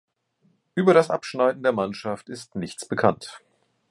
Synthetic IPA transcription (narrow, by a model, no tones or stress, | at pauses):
ʔyːbɐɾasʔa̰pʃnaɪdn̩deːɐmanʃaftɪstnɪçt͡sb̥əkʰant